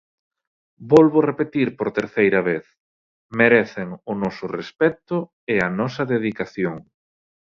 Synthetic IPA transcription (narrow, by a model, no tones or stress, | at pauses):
bɔlβʊrepet̪iɾpoɾt̪eɾθejɾɐβeθ | meɾɛθeŋʊnɔsʊrespɛt̪ʊ | ɪɐnɔsɐðeðikaθjoŋ